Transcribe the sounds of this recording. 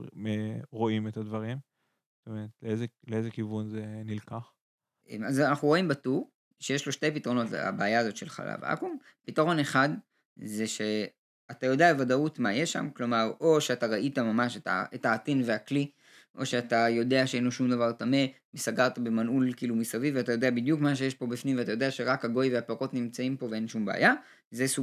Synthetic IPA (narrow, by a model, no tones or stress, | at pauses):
meʁo̞imet̪advaʁim | zot̪omeʁet̪leezeleezekivunzenilkaχ | ʔemaznaχuʁo̞imbatuʁ | ʃejeʃlo̞ʃte̞jpit̪aʁono̞ta̰baːjaːzo̞t̪ʃe̞lχa̰la̰va̰kum | pitaʁo̞ne̞χad | ze̞ʃe̞ | atajo̞d̪eaevadautmajeʃa̰mklo̞maʁo̞ʃeataʁaʔitamamaʃeta̰etaːtinve̞akli | ʔo̞ʃeatajo̞de̞aʃeenlo̞ʃumd̪avaʁtame̞ | mesaɡaʁt̪abe̞manulkiːlumisaviveatajo̞de̞abid̪jukmaʃ̬e̞jeʃpo̞bifnimveat̪ajo̞d̪eaʃe̞ʁakhaɡo̞jveapeʁo̞tnimt͡saimpo̞vee̞nʃumbea̰ja | zesu